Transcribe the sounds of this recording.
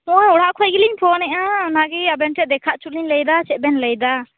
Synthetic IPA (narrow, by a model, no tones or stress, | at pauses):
ɔjɔɽ̤aʔkʰɔjɡiliɲpʰɔnɛʔanaɡiabɛnʈɛʔ̚d̪ɛkʰaʔt͡ʃuliɲləjd̪at͡ʃɛbɛnləjd̪a